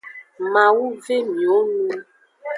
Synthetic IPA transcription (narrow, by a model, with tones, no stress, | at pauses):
mã˨wu˦ve˦mĩ˨o˦nũ˦